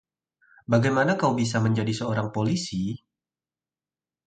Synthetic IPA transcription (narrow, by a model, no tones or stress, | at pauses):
baɡajmanakawbis̬aməɲd͡ʒadisəoɾaŋpolisi